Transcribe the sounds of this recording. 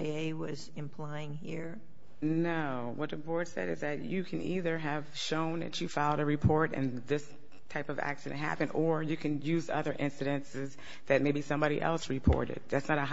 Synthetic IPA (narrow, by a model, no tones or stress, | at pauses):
eɪwʌzɨ̃mpʰl̥aɪɪ̃ŋhiɹ | noʊwʌt̪̚ɨbɔɹd̥sɛ̰ɾɨzðɨt͡ʃɨkʰɨ̃nʔiðə˞ɨv̥ʃõʊ̃nðɨ̰t͡ʃɨfaɪlˠɾɨɹɨpʰɔɹɾɨ̰̃nðɪs | tʰaɪpʌvæ̰ksɨɨ̰̃n̚ɦæ̰pɨ̃ndə˞jɨkʰɨ̃njʉzʌ̰ðə˞ʔɪ̃nsɨɾɨ̃nsɪz | ðɨt̚meɪbisʌ̃mbɑɾḭʔɛ̰lˠsɹɨpʰɔ̰ɹɾɪ̰d̥̪̚ðætsnəɾɨɦ